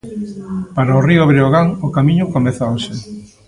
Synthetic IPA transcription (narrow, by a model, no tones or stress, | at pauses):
paɾaoriʊβɾeoɣaŋokamiɲʊkomeθaoʃe